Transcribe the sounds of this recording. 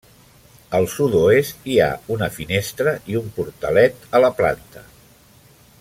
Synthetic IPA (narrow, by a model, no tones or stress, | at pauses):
əlˠsud̪oest̪ia̰unəfinest̪ɾəʔiumpuɾt̪ə̰lɛt̪ələpla̰nt̪ə